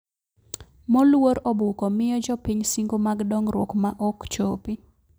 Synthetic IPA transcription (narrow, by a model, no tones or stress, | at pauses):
mɔlwoɾɔbukɔmɪjɔd͡ʒɔpiɲsiŋɡomaɡdɔŋɾwɔkmaʔɔkt͡ʃopi